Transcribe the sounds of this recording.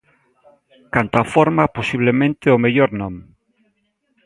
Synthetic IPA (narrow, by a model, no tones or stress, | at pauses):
kant̪afoɾmaposiβ̞lemẽnt̪eomeʎoɾnɔ̃m